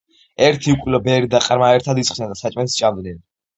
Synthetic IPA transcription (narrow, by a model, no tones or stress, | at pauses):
ɛɾt̪ʰiukʼlɔbɛɾid̪aqʼɾmaɛɾt̪ʰad̪itsʰχnɛnd̪asat͡ʃʼmɛnst͡ʃʼavd̪nɛn